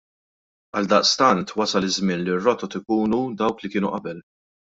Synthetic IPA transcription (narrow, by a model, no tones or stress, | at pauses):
ɐld̪ɐʔst̪ɐnt̪wɐsɐlɪzmɪnlirːɔt̪ɔt̪ɪkuːnud̪ɐwklikɪːnuʔɐbɛl